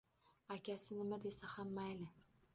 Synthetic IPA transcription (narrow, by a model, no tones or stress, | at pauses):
akʲasɪnɪmad̪e̞sahamːajlɪ